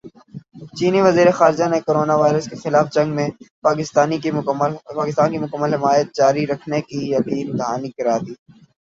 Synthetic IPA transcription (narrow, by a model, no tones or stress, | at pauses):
t͡ʃiːniʋɐziːɾexaːɾɪd͡ʒanekoːɾoːnaʋaːɪɾəskexɪlaːfd͡ʒɐ̃ŋɡmẽpaːkɪst̪aːnilpaːkɪst̪aːnkimʊkəmːəlɦɪmaːjət̪̚d͡ʒaːɾiɾɐkʰnekijɐkiːɪ̃nt̪ɪɦaːnikɐɾaːd̪iː